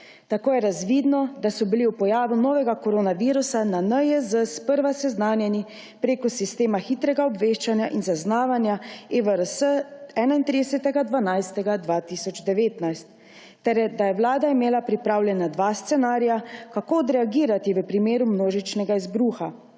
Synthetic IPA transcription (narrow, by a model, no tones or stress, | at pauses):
t̪akoːjɛɾazʋid̪nɔd̪asɔbiliupɔjaːʋunɔːʋɛɡakɔɾoːnaʋiːɾusananəjəzəspəɾʋasɛznaːnjɛni | pɾeːkɔsist̪eːmaxiːt̪ɾɛɡaɔbʋeːʃt͡ʃanjaʔinzaznaːʋanjaeʋəɾəsəɛːnaint̪ɾid̪ɛsɛt̪ɛɡad̪ʋanajst̪ɛɡad̪ʋat̪isɔd͡ʒd̪ɛʋeːt̪najst̪ː | ɛɾɛd̪ajɛwlaːd̪aimeːlapɾipɾaːwlʲjɛnad̪ʋast̪sɛnaːɾijakakoɔd̪ɾɛaɡiːɾat̪iʋəpɾimeːɾumnoːʒit͡ʃnɛɡaizbɾuːxa